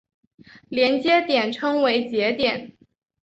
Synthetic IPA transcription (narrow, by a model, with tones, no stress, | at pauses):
ljɛ˧˥nt͡ɕjɛ˥t̪jɛ˨˩nʈ͡ʂʰɤ˥ŋwe˧˥ɪt͡ɕjɛ˧˥t̪jɛ˨˩˦n